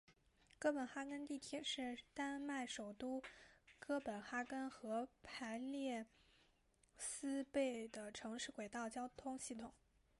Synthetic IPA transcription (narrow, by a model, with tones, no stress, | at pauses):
kɤ˥˩pə˨˩nxa˥kə˥nt̪i˥˩t̪ʰjɛ˥ʂɻ̩˥˩t̪a˥nma˥˩ɪʂo˨˩ʊt̪u˥kɤ˥pə˨˩nxa˥kə˥nxɤ˧˥pʰa˧˥ɪljɛ˥˩ | sɹ̩˥pe˥˩ɪd̪ə˩ʈ͡ʂʰɤ˧˥ŋʂɻ̩˥˩kwe˨˩ɪt̪ɑ˥˩ʊt͡ɕjɑ˥ʊt̪ʰʊ˥ŋɕi˥˩t̪ʰʊ˨˩˦ŋ